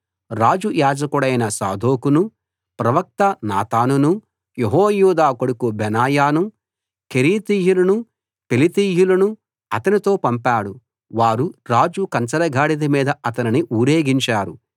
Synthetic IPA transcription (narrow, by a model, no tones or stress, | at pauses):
ɾaːd͡ʒujaːd͡ʒɐkuɽɐjnɐsa̰ːd̪ʱoːkunu | pɾɐʋɐk̚t̪ɐna̰ːt̪aːnunu | jeɦoːjuːd̪aːkoɽukubɛnaːjaːnu | keɾiːt̪iːjulɐnu | pelit̪iːjulɐnu | ɐt̪ɐnit̪o̞ːpɐmpaːɽu | ʋaːɾuɾaːd͡ʒukɐnt͡ʃɐɾɐɡʱaːɽid̪imiːd̪ɐɐt̪ɐniniʔuːɾeːɡiɲt͡ʃaːɾu